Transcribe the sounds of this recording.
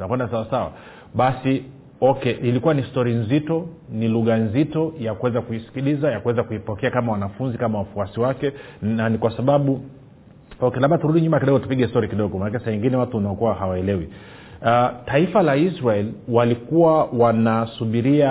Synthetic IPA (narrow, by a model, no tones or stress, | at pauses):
unakwɛndasawasawa̰ | ɓasi | ɔkɛʔilikuwanistɔɾinzitɔniluɣanzitɔjakuwɛzakuisi̥kilizajakuwɛzakuipɔkɛakamawanafunzikamawafuasiwakɛ | nanikwasaɓaɓu | ɔkɛlaɓatuɾuɗiɲumakiɗɔɡɔtu̥piɠɛstɔɾikiɗɔɠɔmanakɛsawɛŋɡinɛwatuanaɔkuwahawaɛlɛwi | ataifalaisɾaɛlwalikuwawanasuɓiɾia